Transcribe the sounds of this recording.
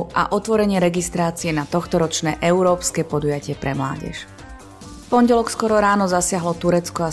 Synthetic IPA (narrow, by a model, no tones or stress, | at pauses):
ʔa̰ʔɔt̪ʋɔɾɛɲɪɛɾɛɡist̪ɾaːt͡siɛnat̪ɔxt̪ɔɾɔt͡ʃnɛːʔɛuɾɔːpskɛːpɔd̪ujacɪɛpɾɛmla̰ːɟɛ̰ʃ | fpɔnɟɛlɔkskɔɾɔɾaːnɔzasɪaɦlɔt̪uɾɛt͡skɔa